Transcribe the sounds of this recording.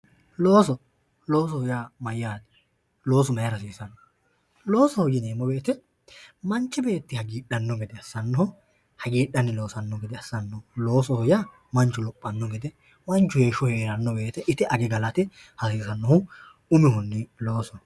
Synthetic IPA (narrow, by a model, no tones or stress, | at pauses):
loːsɔ | lo̞ːs̬ɔhɔjaːmɐjːaːt̪ɪ̥ | lo̞ːs̬ɔmɐjɐɾɐsiːsɐn | lo̞ːsɔhɔjɪneːmːɔbe̞ːt̪ɛ | mɐnt͡ʃːɪbe̞ːt̪ːɪhɐɡiːɗːɐnːɔɡɛd̪ɛɐsːɐnːɔhʊ | hɐɡiːɗːɐnːɪlo̞ːsɐnːɔɡɛd̪ɛɐsːɐnːɔlo̞ːsɔhɔjaː | mɐnt͡ʃːʊlɔpʼːɐnːɔɡɛd̪ɛ | mɐnt͡ʃːʊhe̞ːʃɔhe̞ːɾɐnːɔbe̞ːt̪ɛʔɪt̪ɪʔɐɡɛɡɐlɐt̪ɪ | hɐsiːsɐnːɔhʊ | ʊmɪhʊnːɪlo̞ːsɔ